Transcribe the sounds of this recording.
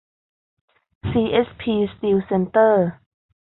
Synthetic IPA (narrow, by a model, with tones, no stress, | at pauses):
siː˧ʔe˦˥spʰiː˧st̪i˧wse˧nt̪əː˥˩